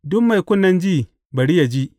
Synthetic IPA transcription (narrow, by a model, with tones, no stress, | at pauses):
dʊ˦kma˨jkʷʊ˦nːɐ˦nd͡ʒiː˦˨ | bɐ˨ɽi˦ja˨d͡ʒi˦